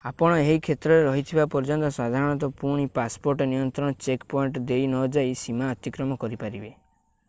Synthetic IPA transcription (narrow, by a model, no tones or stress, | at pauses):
apɔɽ̃ɔeɦikʰet̪ɾɔɾeɾɔɦit̪ʰibapɔɾd͡ʒɔnt̪ɔswad̪ʱaɾɔɽ̃ɔt̪ɔpuɽ̃ipaspoɾʈɔnijɔnt̪ɾɔɽ̃ɔt͡ʃekpɔiɳʈd̪ejnɔd͡ʒajsimaɔt̪ikɾɔmɔkɔɾipaɾibe